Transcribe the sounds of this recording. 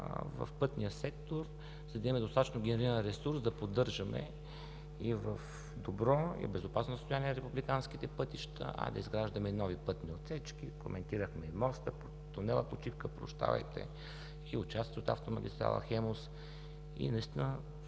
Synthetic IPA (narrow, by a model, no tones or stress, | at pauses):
vɐ̰fpɤt̪nijəsɛk̚t̪oɾ | zɐd̪ɐɛmɛd̪ost̪at̪ət͡ʃnoɡʲɛnɛɾilnɾɛsuɾsd̪ɐpod̪ːɤɾʒəmɛ̰ | ivəf | d̪obɾɔḭbɛzʊpasnosəst̪ojaniɛnɐɾɛpublikansk̟it̪ɛpɤt̪iʃt̪ʰə̰ʔɐ̰d̪ɐ̰izɡɾaʒd̪ɐmɛnɔvipɤt̪niot̪sɛt͡ʃk̟iko̰mʔɛnt̪iɾəxmɛimɔst̪əpo | t̪onɛlˠəpot͡ʃifkəpɾo̰ʃt̪a̰vɐ̰jt̪ɛ̰ | iʊt͡ʃast̪it̪ot̪a̰ft̪omɐɡʲist̪ɾa̰lˠɐ̰xɛmos | ḭnɐist̪inə